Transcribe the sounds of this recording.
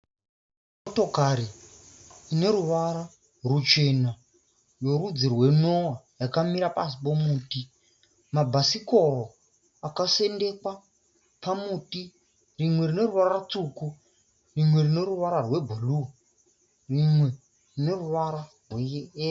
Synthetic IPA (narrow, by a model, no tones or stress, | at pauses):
moto̞kaɾiː | ne̞ɾuʋaɾa | rut͡ʃe̞na | jo̞rud͡zirwe̞nowa | jakamiɾapasipomuːti | mabʱasiko̞ro | akase̞nde̞kwa | pamuːti | rimwe̞rine̞ruʋarat͡suku | rimwe̞rine̞ruʋaɾarwe̞bʱulu | rimwe̞ | rine̞ruʋaɾa | rweː